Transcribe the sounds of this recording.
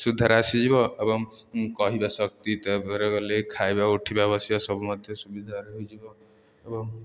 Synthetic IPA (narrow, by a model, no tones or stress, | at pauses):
sud̪ʱːaɾasid͡ʒibɔebɔŋ | kɔɦibasɔkt̪it̪apɔɾeɡɔlekʰajbaoʈʰibabɔsibasɔbumɔd̪ʱjɔsubid̪ʱaɾeɦojd͡ʒibɔ | ebɔŋ